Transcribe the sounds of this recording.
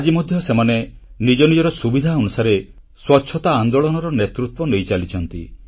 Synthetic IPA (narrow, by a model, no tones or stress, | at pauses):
ad͡ʒimɔd̪ʱjɔsemanenid͡ʒɔnid͡ʒɔɾɔsubid̪ʱaɔnusaɾe | swɔtːʃʰɔt̪aːnd̪oɭɔnɔɾɔnet̪ɾut̪wɔnejt͡ʃalit͡ʃʰɔnt̪i